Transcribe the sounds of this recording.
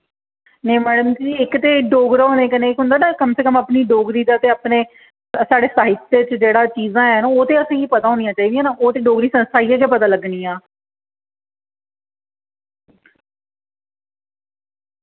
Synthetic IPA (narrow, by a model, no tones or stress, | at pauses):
neːmɛːɖəmd͡ʒiːɪkt̪eːɖoːɡɾɦoːneːkənẽːkɦʊnd̪aːnaːkəmseːkəmapniːɖoːɡɾiːd̪aːt̪eːaːpneː | saːɽeːsaːɦɪt̪ːeːt͡ʃd͡ʒeːɽaːt͡ʃiːzãːɛnoːt̪eːəsãːkipət̪aːɦõːnijãːt͡ʃaːiːd̪ijãːnaːoːt̪eːɖoːɡɾiːsənst̪ʰaːiːakeːpət̪aːləɡniːãː